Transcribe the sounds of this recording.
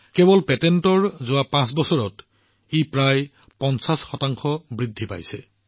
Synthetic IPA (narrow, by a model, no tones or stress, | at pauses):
kɛbɔlpɛtɛntɔɹzʊapãsbɔsɔɹɔt | ipɹaj | pɔnsasxɔtaŋxɔbɹidʱːipa̰jsɛ